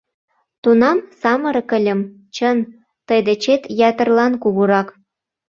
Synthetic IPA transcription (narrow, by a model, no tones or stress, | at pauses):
t̪unɑmsɑmə̆ɾə̆kəlʲə̆m | t͡ɕən | t̪əjd̪et͡ɕet̪jæt̪ə̆rlɑnkuɣuɾɑk